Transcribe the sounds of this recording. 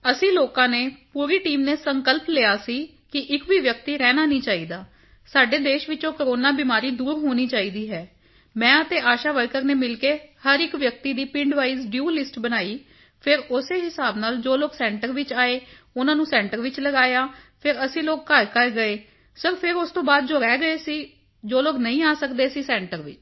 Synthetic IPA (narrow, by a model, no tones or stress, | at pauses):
əsĩːloːkãːneːpuːɾiːʈiːmneːsəŋkəlpleːaːsiː | kɪʔɪkʋiːʋjək̚t̪iːɾɛːnaːnĩːt͡ʃaːiːd̪aː | saːɖeːd̪eːʃʋɪt͡ʃõːkəɾoːnaːbiːmaːɾiːd̪uːɾɦoːniːt͡ʃaːiːd̪iːɦɛː | mɛ̃ːət̪eːʔaːʃaːʋəɾkəɾneːmɪlkeːhəɾɪkʋjək̚t̪iːd̪iːpɪ̃ɳɖʋaːiːzɖjuːlɪsʈbənaːiː | pʰɪɾʊseːɦɪsaːbnaːld͡ʒoːloːɡsɛ̃ːɳʈəɾʋɪt͡ʃaːeː | ʊnãːnũːsɛ̃ːɳʈəɾʋɪt͡ʃləɡaːjaːpʰɪɾəsĩːloːɡ̚kəɾkəɾɡəeː | səɾpʰɪɾʊst̪õːbaːd̪̚d͡ʒʊɾɛːɡəeːsiː | d͡ʒoːloːɡnəĩːaːsəkd̪eːsiːsɛ̃ːɳʈəɾʋɪt͡ʃ